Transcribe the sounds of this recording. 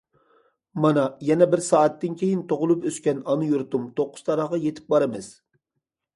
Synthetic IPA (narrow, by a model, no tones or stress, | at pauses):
mɑnɑjɛnɛbɪɾsɑːɛt̪ːɪnkʲʰejint̪ʰoʁʊlˠupøskʲɛnɑnɨjuɾt̪umt̪ʰoqːʊ̥st̪ʰɑɾɑʁɑjet̪ʰɪ̥p̚bɑɾɨmɨz̥